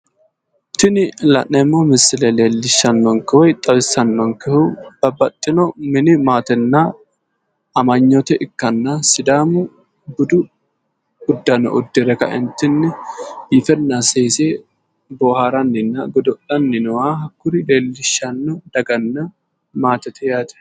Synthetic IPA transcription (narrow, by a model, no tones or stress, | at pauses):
t̪ɪnɪlɐ̰nːɛmːomɪsɪlɛleːlːɪʃːɐnːɔŋkɛwɔjt̪ʼɐbɪsɐnːɔŋkɛhub̥ɐbːɐt̪ʼːɪnɔmɪnɪmaːt̪ɛnːaː | ɐmɐɲːɔt̪ɛʔɪkːɐnːasɪd̪aːmʊ | bʊd̪ʊ | ʊd̪ːɐnɐ̰ʔʊd̪ːɪɾɛkɐ̰ʔɛnt̪ːɪnːɪifɛnːaseːseː | boːhaɾɐnːɪnːɐ̰ɡɔd̪ɔʔɐnːɪnɔwaːhɐkːʊɾɪleːlːɪʃːɐnːɔd̪̥ɐɡɐnːɐ | maːt̪ɛt̪ʰɛjaːt̪ɛ̥